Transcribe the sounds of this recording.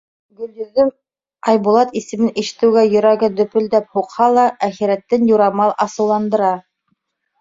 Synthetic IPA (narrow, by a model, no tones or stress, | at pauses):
ɡɵ̆ljɵ̆ðɘm | ɑjbulˠɑt̪isɘ̆mɘniʃɘ̆t̪ɘ̆wɡæjɵ̆ɾæɡɘd̪ɵ̆pɵ̆ld̪æp̚huqhɑlˠɑʔæxiɾæt̪ːɘnjuɾɑmɑlˠʔɑsɤ̆wlˠɑnd̪ɤ̆ɾɑ